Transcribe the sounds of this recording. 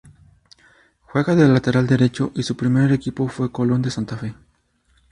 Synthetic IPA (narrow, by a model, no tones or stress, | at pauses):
xwe̞ɣaðelat̪e̞ɾald̪e̞ɾe̞t͡ʃo̞ʔisupɾime̞ɾekipo̞fwe̞kolo̞nd̪e̞sant̪afe̞